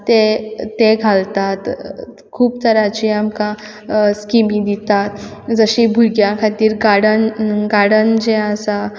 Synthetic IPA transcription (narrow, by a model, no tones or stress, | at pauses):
t̪et̪eɡʱalt̪at̪ | kʰuːpt̪əɾat͡ɕiamkã | skimĩd̪it̪at̪d͡zəɕibʱuɡjakʰat̪iːɾɡaɽənɡaɽənd͡ʑẽasa